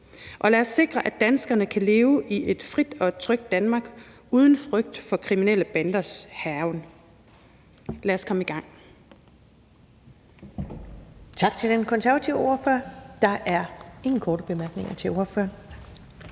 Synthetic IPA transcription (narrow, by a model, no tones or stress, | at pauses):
ʔɒ̽læɐsːe̝ɡ̥ʁɐʔæd̥ænsɡ̥ɐnəkʰæle̝ːʊʔie̝d̥fʁid̥ɒ̽t͡sʰʁœɡ̥̚d̥ænmɑ̈ːɡ̥ | uːð̞ˠn̩fʁœɡ̥̚d̥fɒ̽kʰʁiminel̰əb̥ænd̥ɐshæʊn | læɐskʰɒ̽məiɡ̥ɑ̈ŋ̰ | t͡sʰɑ̈ɡ̥̚t͡sʰe̝ld̥enkʰɒnsæɐæt͡sʰiʊo̝ːɐføɐd̥ɑ̈ʔæɐe̝ŋn̩kʰɒːɾəb̥e̝mæɐɡ̥ne̝ŋɐt͡sʰe̝lo̝ɐføɐ